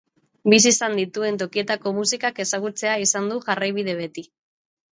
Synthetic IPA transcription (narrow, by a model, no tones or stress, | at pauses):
bis̬isand̪it̪ue̞nt̪̬o̞kie̞t̪ako̞musikake̞saɣ̞ut͡se̞aisand̪uʝarajβið̞e̞β̞e̞t̪i